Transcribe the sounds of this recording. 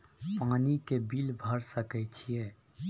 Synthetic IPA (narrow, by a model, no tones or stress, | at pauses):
paːnikebiːlbʱəɾsəkɛt͡ʃʰieː